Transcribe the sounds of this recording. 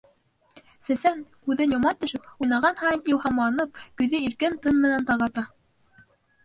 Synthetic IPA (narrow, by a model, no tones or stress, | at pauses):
sæsæŋkʉðɘnjŏmɑt̪ɵ̆ʃɘp̚ujnɑʁɑnhɑniw̪ˠhɑmlˠɑnɤp̚kɵ̆jðɘiɾkɘnt̪ɤnmɘ̆nænt̪ɑʁɑt̪ɑ